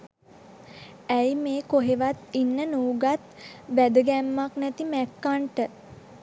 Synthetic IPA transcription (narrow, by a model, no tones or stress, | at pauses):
æjmeːkoɦeʋat̪inːənuːɡat̪ʋæd̪əɡæmːaknɛt̪imækːaɳʈə